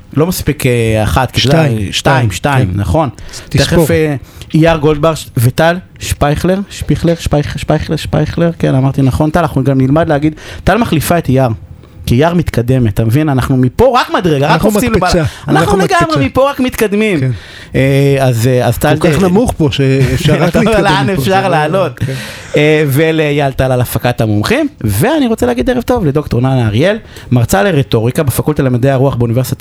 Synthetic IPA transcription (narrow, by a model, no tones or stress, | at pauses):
lo̞maspikeaχat̪kidaʃtaimʃtaimna̰χo̞nt̪eχefejaʁɡo̞ld̪̚baʁʃvet̪al | ʃpajχleʁʃpiχleʁʃpajχʃpajχleʃpajχleʁkenamaʁt̪inaχo̞nt̪alaχnuɡamnilmadlehaɡid̪t̪almaχlifaet̪ajaʁ | kijaʁmit̪kad̪e̞metːamevinanaχnumipo̞ʁakmad̪ʁeɡaʁakosimlobalanaχnuleɡamʁemipo̞ʁakmit̪kad̪mim | eazazt̪alanamuχpoʃeːfvalaneffʃaʁlaːlo̞t̪ | evelejalt̪alalafakatamomχimve̞aniʁot͡seleaɡideʁevt̪o̞vledoktonanaʁje̞lmaʁt͡saleʁeto̞ʁikabefakult̪alemad̪ejaʁuaχbeunive̞ʁsit̪a